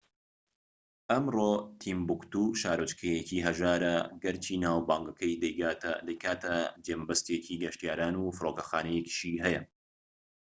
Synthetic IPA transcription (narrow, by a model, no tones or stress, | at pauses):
ʔɐmroːt̪ʰimbukt̪uʃaːɾot͡ʃkʰɐjɛkiːɦɐʒaːɾɐɡɐɾt͡ʃʰiːnaːwbaːŋɡɐkʰɐjd̪ɐjɡaːt̪ɐ̰d̪ɐjkʰaːt̪ʰɐd͡ʒeːmbɐst̪ecʰiːɡɐʃt̪ijaːɾaːnuːfɨɾoːkɐxaːnɐjɛki̥ʃiːɦɛjɐ